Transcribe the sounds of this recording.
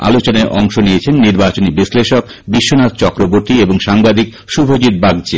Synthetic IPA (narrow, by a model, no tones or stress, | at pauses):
a̰lot͡ɕonaʔɔŋʃoniet͡ɕʰenːiɾbat͡ɕonibisleʃok | biʃːonat̪t͡ɕɔkɾoboɾt̪ieboŋʃaŋbad̪ʱik | ʃubʱod͡ʑiɾ̚baɡd͡ʑe